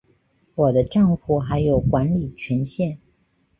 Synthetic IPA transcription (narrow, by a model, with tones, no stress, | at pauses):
wɔ˨˩d̪ə˦ʈ͡ʂɑ˥˧ŋfu˨˩xa˧˥ɪjo˨˩ʊkwa˧˥nli˨˩t͡ɕʰɥɛ˧˥nɕjɛ˥˩n